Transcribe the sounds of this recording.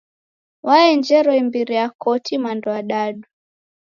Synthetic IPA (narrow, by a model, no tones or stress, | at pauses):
waɛnd͡ʒɛɾɔimbiɾiakɔtʰimandɔaɗaɗu